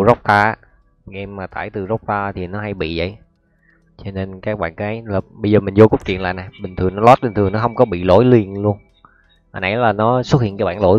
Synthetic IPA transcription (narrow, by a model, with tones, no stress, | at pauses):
zɔ˦˥wk͡p̚t̪aː˧aː˧˦˨ | ŋʔɛ˧mːaː˨˩t̪a̰ː˧˨˩jt̪ɨ˨˩za˦˥wk͡p̚t̪aː˧t̪ʰi˨˩nɔ˨˦ɦa˧jɓḭ˧˨zə̰˧˨j | t͡ɕɔ˧ne˧nkaː˦˥k̚ɓa̰ː˧˨nkaː˨˦jlaː˨˩ɓə˧jzəː˨˩mï˨˩ŋ̟zo˧kʊ˦˥k͡p̚t͡ɕwḭ˧˨nla̰ː˧˨na˨˩jɓï˨˩ŋ̟t̪ʰɨ˨˩ənɔ˨˦lɔ˦˥t̚ɓï˨˩ŋ̟t̪ɨ˨˩nɔ˨˦ɦə˧wŋ͡mkɔ˨˦ɓḭ˧˨lo̰˧˥jlwi˨˩ənlu˧ən | ha̰˧˩nʔa̰˧˩jlaː˨˩nɔ˨˦swʊ˦˥t̚hḭ˧˨nkaː˨˦jɓa̰ː˧˨lo̰˧˥